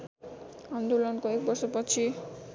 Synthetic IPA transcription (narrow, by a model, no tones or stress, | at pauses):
and̪ulɔnkoek̚bʌrsʌpʌt͡sʰi